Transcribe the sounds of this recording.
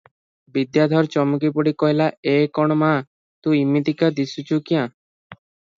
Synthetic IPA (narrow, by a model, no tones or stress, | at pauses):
bid̪jad̪ʱɔɾt͡ʃɔmukip̬uɽikɔɦilaekɔɽ̃omã | t̪ũimit̪ikad̪isut͡ʃukiã